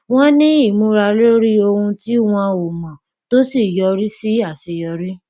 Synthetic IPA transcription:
w̃ɔ̃˦nĩ˦i˦˨mũ˧ɾa˧lo˦ɾi˦o˧hũ˧ti˦w̃ɔ̃˧o˨mã˨ | to˦si˦˨jɔ˧ɾi˦si˦a˦˨se˨jɔ˧ɾi˦

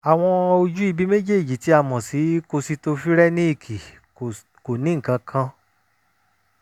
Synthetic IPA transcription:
a˨w̃ɔ̃˧o˧d͡ʒu˦i˧bi˦me˦d͡ʒe˦˨d͡ʒi˨ti˨˦a˧mɔ̃˨si˨˦ko˧si˧to˧fi˦ɾɛ˦nĩ˦i˦˨kʰi˨ | ko˨nĩ˦ŋ̩˨kã˧kʰã˧

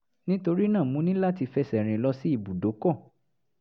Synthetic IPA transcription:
nĩ˦to˧ɾi˦nã˦˨mũ˨˦nĩ˦la˦˨ti˧fɛ˧sɛ˨ɾ̃ĩ˧lɔ˧si˦i˦˨bu˨do˨˦kɔ˦˨

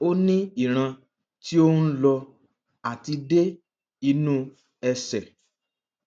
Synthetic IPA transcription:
o˦nĩ˦i˦˨ɾ̃ã˧ | ti˦o˦u˦lɔ˧ | a˦˨ti˧de˦ | i˧nũ˦ | ɛ˧sɛ˨

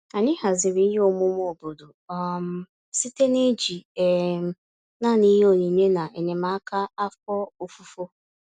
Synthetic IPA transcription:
a˨ɲɪ˦ɦa˨zɪ˨ɾi˨i˦ɦe˦o˨mʊ˦m˦o˨bo˨do˨ɔ˦m̩˦ | si˦te˦ne˦d͡ʒi˨ɛ˨m˦˨ | na˦˨ni˦ɦe˦o˨ɲi˨ɲe˦na˨ʔe˨ne˨ma˨˦a˦ka˦a˦fɔ˦o˨fu˨fo˦

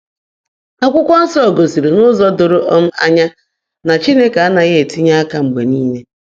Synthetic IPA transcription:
a˦kʷʊ˦kʷɔ˦n̩˦sɔ˦˨ɡo˨si˨ɾe˨nʊ˦zɔ˦dʊ˨ɾʊ˦ʔɔ˦m̩˦a˦ɲa˦ | na˨t͡ʃi˦ne˦ke˨a˦na˨ɣe˦e˨ti˦ɲa˦a˦ka˨ŋ͡m̩˨ɡ͡be˨niː˦ne˦

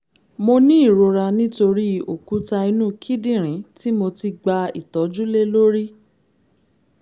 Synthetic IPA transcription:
mo˧nĩ˦i˦˨ɾo˧ɾa˧nĩ˦to˧ɾi˦o˨ku˨˦ta˧i˧nũː˦˨kʰi˦dĩ˦˨ɾ̃ĩ˨˦ti˦mo˧ti˧ɡ͡ba˧ḭ˨tɔ˨˦d͡ʒu˦le˦lo˦ɾi˦

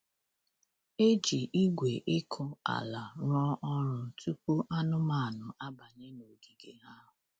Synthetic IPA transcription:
e˦d͡ʒi˨ʔi˦ɡʷe˨ʔɪ˦kʰʊ˦a̰˨la˨ɾɔ˦ʔɔ˦ɾʊ˨tu˦pu˦ʔa˦nʊ˦ma˦˨a˨nʊ˨ʔa˦ba˨ɲe˦no˨ɡi˨ɡe˨ɦa˦ɦʊ˨

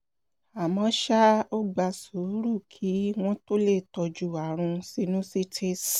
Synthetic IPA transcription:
a˨mɔ̃˧˦ʃa˦o˦ɡ͡ba˧su˨˦ɾu˦˨kʰi˨˦w̃ɔ̃˦to˦le˦˨tɔ˧d͡ʒu˧˨a˨ɾ̃ũ˧si˧nũ˦si˦˨tʰe˦˨

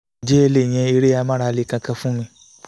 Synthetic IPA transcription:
d͡ʒe˦e˧le˦˨j̃ɛ̃˧i˧ɾe˦a˧˦mã˦ɾa˧le˨˧˨kã˧kã˧fũ˦mĩ˧

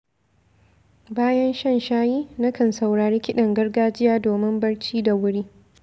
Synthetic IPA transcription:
baː˦jɐ˦nʃɐ˦˨nʃaː˦jiː˦na˦kʰɐ˨nsa˨wɽaː˨ɽeː˦kʲɪ˦ɗɐ˨ŋɡɐ˦rɡaː˦d͡ʒɪ˦jaː˦doː˨mɪ˦mbɐ˦ɽt͡ʃiː˦da˨wʊ˦ɽiː˦

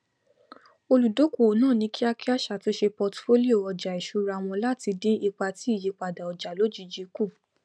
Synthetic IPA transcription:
o˧lu˨do˨˦ko˨o˨˦nãː˦˨nĩ˧˦ki˦a˦ki˦a˦ʃa˨to˦ʃe˧pɔ˧tfo˦li˦o˦˨ɔ˧˨d͡ʒa˨i˨ʃu˧˦ɾa˧˨w̃ɔ̃˧la˦ti˧dĩ˦i˧k͡pa˧ti˦i˦˨ji˨˧k͡pa˨da˨ɔ˨d͡ʒa˨lo˨˦d͡ʒi˧˦d͡ʒi˧ku˦˨

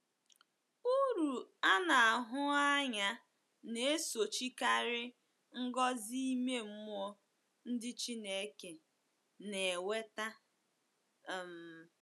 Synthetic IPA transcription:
u˦ɾu˨a˦na˨a˨ɦʊ˦a˦ɲa˦ | ne˨e˦so˨t͡ʃi˦ka˦ɾɪ˦ | ŋ̩˦ɡɔ˦zi˦me˦m̩˦m˦ɔ˦ | n̩˦dɪ˦t͡ʃi˦ne˦ke˨ | ne˨e˨we˦ta˦˨ | m̩˨

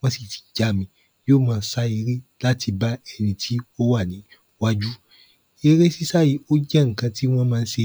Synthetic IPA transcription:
w̃ɔ̃˦si˦˨ti̥˨d͡ʒa˦˨mĩ˧ | joː˦˨mãː˧n˦sa˦e˧ɾi˦la˦tʰi˧ba˦ɛ˧nĩ˧tʰi˦o˦wa˦˨nĩ˨˦ | wa˦d͡ʒu˦ | e˧ɾe˦si˦sa˦ji˦o˦d͡ʒɛ˦ŋ̩˨kã˧tʰi˦w̃ɔ̃˦mãː˦˧˦ʃe˧

